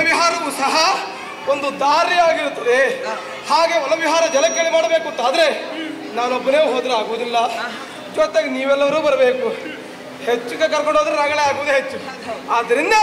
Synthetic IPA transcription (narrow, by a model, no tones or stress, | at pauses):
ʋiɦaːɾɐʋusɐɦɐ | ond̪ud̪aːɾiaːɡiɾut̪ːɐd̪e̞ | haːɡe̞ːʋɐlɐʋiɦaːɾɐd͡ʒɐlɐkːeɭimaːɽɐbeːkunt̪ːaːd̪ɾe̞ | naːnobːɐneːʋuɦoːd̪ɾeaːɡuʋud̪ilːɐ | d͡ʒɔt̪ːeɡeniːʋɛlːɐʋɐɾuːbɐɾɐbe̞ːku | het͡ʃːuɡekɐɾkoɳɖoːd̪ɐɾenaːɡɐɭeaːɡuʋud̪uɦet͡ʃːuaːd̪ɐɾind̪ɐ